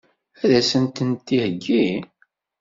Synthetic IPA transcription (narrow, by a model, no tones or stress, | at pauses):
æðæsənt̪ənt̪ːihəɡːi